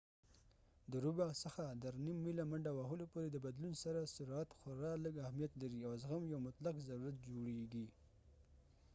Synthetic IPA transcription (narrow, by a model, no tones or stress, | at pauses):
d̪əɾubasəxad̪əɾnimːilamaɳɖawaɦəlopoɾed̪əbad̪lunsaɾasʊɾat̪xʊɾɑləɡahmijat̪laɾiawzɣamjawmʊt̪laqzaɾuɾat̪̚d͡ʒoɽeɡi